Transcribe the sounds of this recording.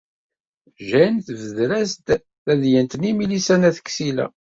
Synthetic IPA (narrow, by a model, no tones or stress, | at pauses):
ʒænθvəðɾæst̪ | æðjənt̪nimilisænæθə̥kːsilæ̰